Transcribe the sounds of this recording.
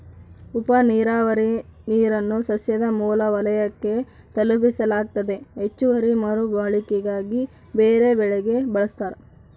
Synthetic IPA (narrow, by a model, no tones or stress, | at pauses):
upɐniːɾaːʋɐɾiniːɾɐnːusɐsjɐd̪ɐmuːlɐʋɐlɐjɐkːe̞ | t̪ɐlupisɐlaːɡ̚t̪ɐd̪e̞ɦet͡ʃːuʋɐɾimɐɾubaɭikɛɡaːɡi | beːɾe̞bɛɭɛɡe̞bɐɭɐst̪aːɾe